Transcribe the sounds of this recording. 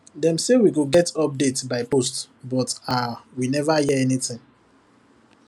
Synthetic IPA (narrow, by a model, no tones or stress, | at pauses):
dɛ̃msewiɡoɡɛtɔp̚detbaɪpost | bɔtawinɛvajiɛɛnitɪ̃ŋ